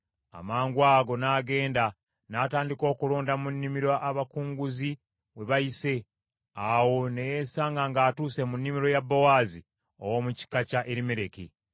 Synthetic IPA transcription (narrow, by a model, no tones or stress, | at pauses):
a̰maːŋɡwaːɡo̞naːɡe̞ːnda | naːtaːndiko̞ːkulo̞ːndamunːimiɾaʔaβakuːŋɡuzi | we̞βajise̞ | awo̞nejesaːŋɡaŋɡaːtuːse̞munːimiɾo̞jabːowaːzi | o̰wo̞muci̥kacaʔe̞ɾimeɾe̞ki